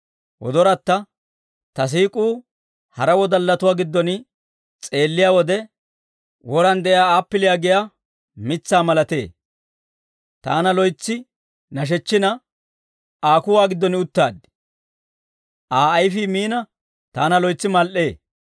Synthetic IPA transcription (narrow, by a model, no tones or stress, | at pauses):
wʔɔ̰d̪ɔɾɐt̪ːɐ | t̪ɐs̬iːkʼuː | hɐɾɐwɔd̪ɐlːɐt̪ʊwaːɡɪd̪ːɔnɪ | t͡sʼe̞ːlːɪjaːwɔd̪ɛ | wɔɾɐnd̪ɛjaːaːpːɪlɪjaːɡɪja | mɪt͡sːaːmɐlɐt̪e̞̰ː | t̪a̰ːnɐlɔjt͡sːɪ | nɐʃ̬ɛt͡ʃːɪnɐ | ʔaːkʊwaːɡɪd̪ːɔnɪʊt̪ːaːd̪ | ʔaːɐjfiːmiːnɐ | t̪aːnɐlɔjt͡sːɪmɐlʔe̞ː